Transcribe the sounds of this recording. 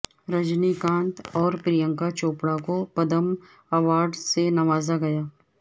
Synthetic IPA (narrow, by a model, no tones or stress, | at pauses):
ɾɐd͡ʒnikãːnt̪ɔːɾpɾɪjə̃ŋkat͡ʃoːpɽakopɐd̪əm | ɐʋaːɾɖsenɐʋaːzaɡɐjaː